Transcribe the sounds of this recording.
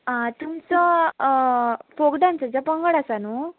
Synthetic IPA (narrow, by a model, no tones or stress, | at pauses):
t̪umt͡sɔ | foɡd̪ãnt͡səd͡zapəŋɡəɽasanu